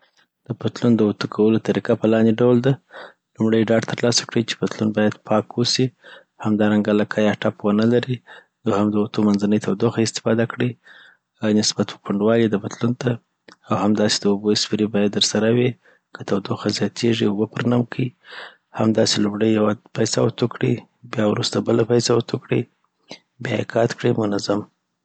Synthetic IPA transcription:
d̪̥əpat̪lund̪əut̪ukʰawəlot̪aɾikapəlɑnd̪eɖawld̪a | lumɽəjɖɑɖt̪əɾlɑsḁkɽəjt͡ʃe̥pat̪lunbɑjad̪pʰɑkwosi | hamd̪ɑɾaŋɡalakʰɑjɑʈɑpwənəlaɾi | d̪uhamd̪əut̪omanzanəjt̪ʰawd̪oxaɪst̪ɪ̥fɑd̪akɽi | nɪsbat̪pə̥kaɳɖwɑled̪əpat̪lunt̪ʰa | awhamd̪ɑsed̪əuboɪsfiɾibɑjad̪ːəɾsaɾawi | kʰət̪awd̪oxazjɑt̪ʰeʐiubəpəɾnamkʰi | ha̰md̪ɑselumɽəjːawapajsawat̪okɽi | bjɑwɾust̪abəlapajsawat̪ʰokɽi | bjɑ̰jḛkɑt̪kɽimʊnazam

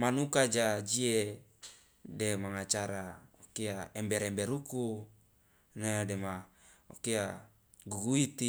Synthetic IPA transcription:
manukad͡ʒad͡ʒie | demaŋat͡ʃaɾaokeaembeɾembeɾuku | nedemaokea | ɡuɡuit̪i

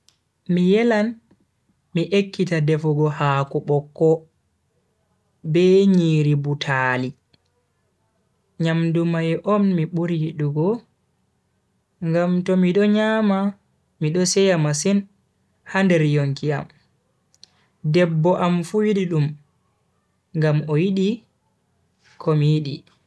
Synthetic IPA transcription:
mijɛlan | miʔekːitadɛfɔɡɔhakuɓɔkːɔ | bɛɲiːɾibutʰaːli | ɲamdumajʔɔnmiɓuɾiɗuɡɔ | ŋɡamtɔmiɗɔɲaːma | miɗɔsɛjamasin | handɛɾjoŋkia̰m | dɛbːɔʔamfuwjiɗiɗum | ŋɡamɔjiɗi | kʰɔmijiɗi

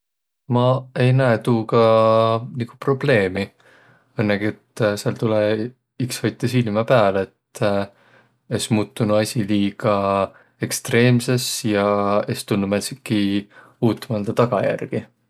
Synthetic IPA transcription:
mɑe̞jnæet̪uːɡɑ | niɡ̥u̥pro̞b̥le̞ːmi | ɤnːeɡ̥iet̪ːseɑlt̪ule | iksvɑjt̪ːˑesilmɑpæːleet̪ː | esmuːt̪ːˑunuɑsʲiliːɡ̥ɑ | e̞kst̪re̞ːmse̞sjɑest̪ulːumæsikːi | uːt̪ːˑɑmɑld̪̥ɑt̪ɑɡ̥ɑjæ̰rɡ̥i

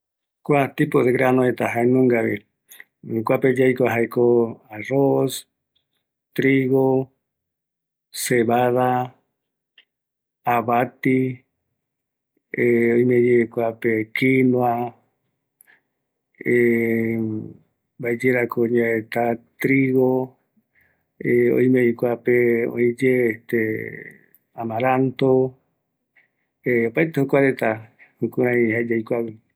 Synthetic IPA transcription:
kʷat̪ipoðeɣɾanõet̪aɦaenũŋɡaβi | kʷaped͡ʒajkʷaɦaikoaros | t̪ɾiɣo | seβaða | aβat̪i | eoimẽd͡ʒekʷapekinwa | e | baed͡ʒeɾakʰoɲãet̪at̪ɾiɣo | eo̰ĩmẽikʷapeõ̰ĩd͡ʒeːt̪e | amãɾant̪o | eopaet̪ehokʷaɾet̪ahukũɾãĩɦaed͡ʒaikʷawe

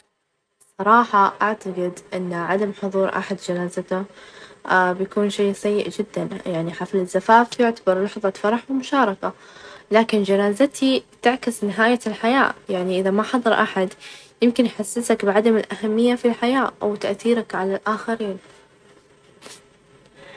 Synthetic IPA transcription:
sˤɑɾˤɑːħɑʔaʕt̪aɡɪd̪ʔɪnːʕad̪amħʊðˤuːɾˤʔa̰ħad̪d͡ʒanaːzat̪ʊ | bjakuːnʃeːsajːɪ̰ʔd͡ʒɪd̪ːanjaʕniħaflɪzːafaːfjʊʕt̪abɑɾˤlɑħðˤɑfɑɾˤɑħwɪmʊʃɑːɾˤɑkalaːkɪnd͡ʒanaːzat̪ʰit̪ɪʕkɪsnɪɦaːjalħaja̰ːjaʕniʔɪðamaħɑðˤɑɾˤʔaħad̪jɪmkɪnħasːɪsakbɪʕad̪amɪlʔahamːɪjːafilħajaːʔa̰wt̪aʔθiːɾakʕalalʔaːxaɾiːn

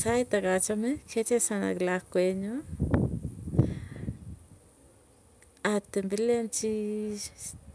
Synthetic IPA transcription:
sajt̪akat͡ʃamekʰet͡ʃesana̰ɡlakʷeɲo | at̪embilant͡ʃi

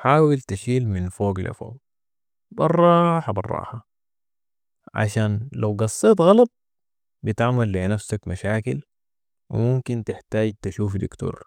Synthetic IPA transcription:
ħaːwilt̪aʃiːlminfoːɡla̰fo̰ːɡ | bɑrˤːɑħabɑ̰rˤːɑ̰ːħa | ʕa̰ʃaːnlawɡɑsˤːet̪ˤɣɑlɑt̪̚ | bit̪aʕmalːenafsakmaʃaːkil | wḭmumkint̪ɪħt̪aːɟ̚t̪aʃuːfd̪ikt̪ṵːɾˤ

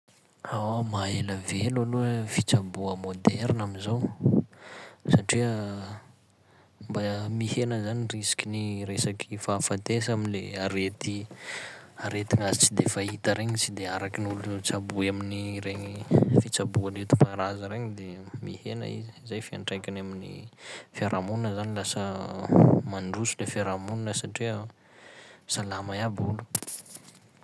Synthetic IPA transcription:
awmaeləvelaluəfit͡sabuəmod̪ɛɾnaminzow | saʈ͡ʂiə | mbamihenəzanirisi̥kʲiniɾesakʰifafant̪esaminleaɾet̪i | aɾet̪iŋasi̥t͡sid̪efait̪əɾeɲit͡sid̪eaɾakinulut͡sabuaminiɾeɲifit͡sabualet̪u̥paɾazəɾeɲid̪emihenə̰ḭziizajfia̰ɳʈ͡ʂajkʲanaminḭfaɾʔamuninəzanilasə | maɳɖ͡ʐusulefeɾamunnəsaʈ͡ʂiə | salamajabulu̥

